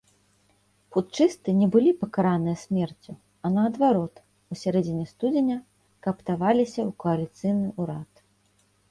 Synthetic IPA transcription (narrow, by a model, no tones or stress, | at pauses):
put̪t͡ʂɨst̪ɨnʲɛbɨlʲipɐkaɾanɨjɐsʲmʲɛrt͡sʲu | ɐnɐːd̪vaɾɔt̪ | usʲaɾɛd͡zʲɪnʲɛst̪ud͡zʲɪnʲɐ | kɐpt̪avalʲisʲɐukɔɐlʲit̪sɨjnɨʔuɾat̪